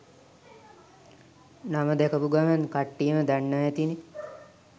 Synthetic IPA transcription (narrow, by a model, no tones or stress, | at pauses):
naməd̪ɛkəpuɡamankaʈːijəməd̪anːajɛt̪ini